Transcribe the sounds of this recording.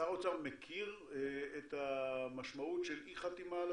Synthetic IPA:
aotamːekʰiʁetamaʃmautʃelʔiχat̪imal

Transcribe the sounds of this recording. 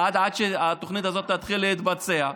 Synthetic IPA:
ad̪ʕad̪ʃeat̪oχnit̪azot̪ːat̪χilːeit̪bat͡sea

